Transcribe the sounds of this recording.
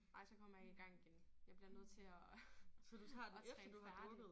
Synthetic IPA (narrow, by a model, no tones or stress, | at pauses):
nɑ̈ɪ̰sɒ̽kʰɒ̽m̰ɐjɑ̈iɡ̥ɑ̈ŋ̰iɡ̥enjɑ̈ɪb̥liɐnøð̞̰ˠt͡sʰe̝ɒsɒd̥ut͡sʰɑ̰̈ːdɛd̥uɑd̥ɔɡð̩ˠ